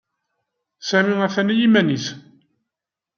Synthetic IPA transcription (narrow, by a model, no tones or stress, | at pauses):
sæmiæθænæjimæniθ